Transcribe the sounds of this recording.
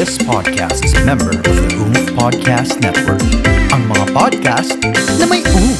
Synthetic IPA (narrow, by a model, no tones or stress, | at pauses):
ɪspʰɑd̪̚kʰæ̰st̪sɹɪmɛ̃mbə̰˞ʌvðəɡũmpʰɑd̪̚kʰæst̪nɛt̪̚wə̰˞kʔɐŋmɐŋapɑd̪̚kæst̪nɐmɐjʔõʊn